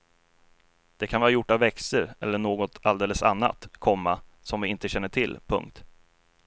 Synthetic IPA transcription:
d̪̥ɛkʰanvɑːɾajʊʈːavːɛksəɾɛ̰lːəɳoːɡɔt̪ʰald̪eːləsa̰nːa̰t̪kʰɔmːa | sɔmvɪɪnt̪əɕɛnːəʈʰɪlːpʰɵ̰ŋk̚t̪

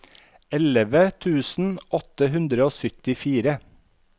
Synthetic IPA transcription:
ɛləʋət̪ʰʉːsn̩ɔt̪əɦʉnd̪ɾəoːsœt̪ɪfiːɾə

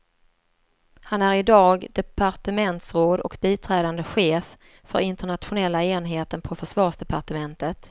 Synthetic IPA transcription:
hanæɾɪd̪ɑːɡd̪ɛpaɾʈəmɛnt̪sɾoːd̪ɔ̰kbiːt̪ʰɾɛːd̪and̪əɧeːf | fœ̰ɾɪnt̪əɳat̪ɧʊnɛlːaeːnɦeːt̪ənpʰɔfœʂvɑːʂd̪ɛpaʈəmɛnt̪ət̪

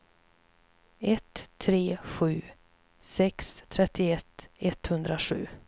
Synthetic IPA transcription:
ɛt̪ʰːɾeːɧʉ̟ː | sɛkst̪ʰɾɛt̪ːɪɛt̪ːɛt̪hɵnd̪ɾaɧʉ̟̰ː

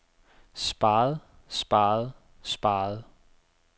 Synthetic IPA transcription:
sb̥ɑ̈ːð̩ˠ | sb̥ɑːð̩ˠ | sb̥ɑ̈ːð̩ˠ

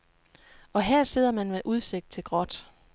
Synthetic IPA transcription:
ɒ̽ɦeɐ̰se̝ð̰ˠɐmænmeʔuð̞ˠse̝ɡ̥̚d̥t͡sʰe̝lɡ̥ʁɒ̽d̥

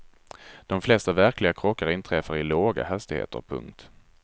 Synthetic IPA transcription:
d̪̥ɔmflɛst̪avæɾklɪɡakʰɾɔkːaɾɪnt̪ʰɾɛfːaɾɪloːɡa̰hɛst̪ɪɡhḛːt̪ʰə̰ɾpʰɵ̰ŋkt̪

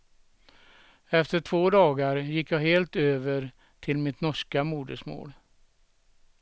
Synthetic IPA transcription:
ɛft̪əʈʰv̥oːd̪ɑːɡaɾjɪkːjɑːɡɦeːlt̪øːvəɾ | t̪ʰɪlmɪt̪nɔʂkamuːd̪əʂmo̰ːl

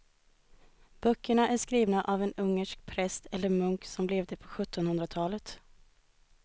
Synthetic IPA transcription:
b̥œkːəɳaʔæʂkɾiːvnaʔavɛnɵŋːəʂk̚pʰɾɛst̪ɛlːəɾmɵŋksɔmlɛvd̪əpʰɔɧɵt̪ːɔnhɵnd̪ɾat̪ʰɑːlət̪

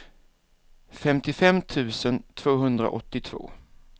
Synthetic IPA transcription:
fɛmt̪ɪfɛmːt̪ʰʉ̟ːsənt̪ʰv̥oːɦɵnd̪ɾa̰ʔɔ̰t̪ːɪt̪ʰv̥o̰ː

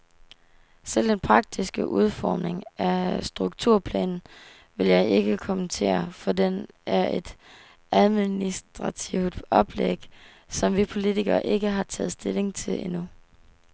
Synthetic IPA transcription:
sel̰d̥enpʰʁɑ̈ɡ̥̚d̥isɡ̥əʔuð̞ˠfɒːmne̝ŋæsd̥ʁuɡ̥̚t͡sʰuɐ̰pʰlɛ̰ːn | ʋe̝ljɑ̈ɪe̝ɡ̥əkʰɒmənt͡sʰe̝̰ːɐfɒ̽denæɐe̝d̥ | æð̞ˠminisd̥ʁɑ̈t͡sʰiʊd̥ɒ̽b̥leɡ̥ | sɒ̽mʋipʰo̝lit͡sʰiɡ̥ɐʔe̝ɡ̥əɦɑ̈t͡sʰɛ̰ːð̩ˠsd̥e̝le̝ŋt͡sʰe̝lʔe̝nu

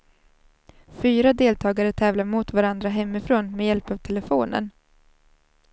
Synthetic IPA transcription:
fyːɾad̪eːlt̪ʰɑːɡaɾət̪ʰɛːvlaɾmʊt̪vaɾand̪ɾaɦɛmːɪfɾoːnmɛjɛlpavt̪ʰɛlɛfoːnə̰n

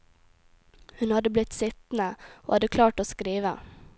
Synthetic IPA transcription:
hɵnhad̪ːəblɪt̪ːsɪt̪nao̰had̪ːəkʰlɑːʈɔskɾiːʋa̰

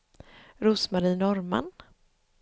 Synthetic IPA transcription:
ɾʊsmaɾiːnɔɾma̰n

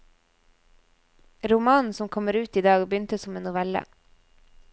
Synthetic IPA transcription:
ɾʊmɑːn̩sɔmkʰɔməɾʉːt̪iːd̪ɑːɡbəjʏnt̪əsɔmeːnnʊʋɛlə̰

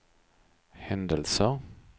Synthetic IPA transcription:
hɛnd̪əlsə

